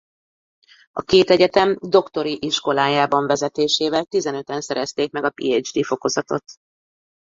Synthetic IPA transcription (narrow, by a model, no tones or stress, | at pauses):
ɒ̰keːt̪ɛɟɛt̪ɛmd̪o̞kt̪o̞ɾiʔiʃko̞laːjaːbɒɱvɛzɛt̪eːʃeːvɛlt̪izɛnø̞t̪ɛnsɛɾɛst̪eːk̚mɛɡɒpḭːed͡ʒd̪iːfo̞ko̞zɒt̪o̞̰t̪